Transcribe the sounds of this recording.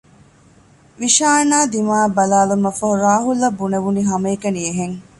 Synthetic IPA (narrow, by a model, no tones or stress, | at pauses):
ʋiʃaːnaːd̪imaːbɐlaːlumɐfɐɦuɾaːɦulːɐbːuneʋuniɦɐmɐːkɐnieɦeŋ